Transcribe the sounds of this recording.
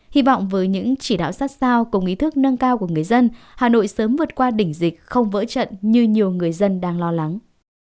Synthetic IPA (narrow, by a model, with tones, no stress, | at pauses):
hi˧vɔ̰˧˨wŋ͡mvəː˨˦jɲɨ̰˧˥ŋt͡ɕi˧˩ɗa̰ː˧˨wsaː˦˥t̚saː˧wkʊ˨˩ŋ͡mʔi˨˦t̪ʰɨ˦˥k̚nə˧ŋkaː˧wku˧˩əŋɨ˨˩əjzə˧n | haː˨˩no̰˧˨jsəː˨˦mvɨ˨˩ət̚kwaː˧ɗï˧˩ŋ̟zï˨˩k̟̚xə˧wŋ͡mvə̰ː˧˥t͡ɕə̰˧˨nɲɨ˧ɲi˨˩əwŋɨ˨˩əjzə˧nɗaː˧ŋlɔ˧la˨˦ŋ